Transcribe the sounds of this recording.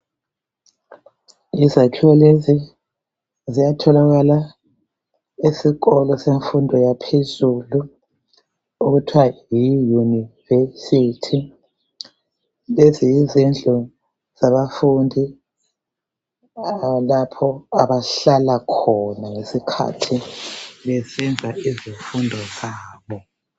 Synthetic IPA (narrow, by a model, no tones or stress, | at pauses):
izakʰiwɔlezi | zijatʰɔlaɣala | isiɣɔlɔseɱfundʱɔjapʰezulu | uɣutʰwajijunivesitʰi | lezijizɛnd͡ɮʱɔ | z̥aβafundʱi | alapʰɔaβaɬalakʰɔnaŋesikʰa̰tʰiβɛsɛnd͡zʱaizifundʱɔzaːβɔ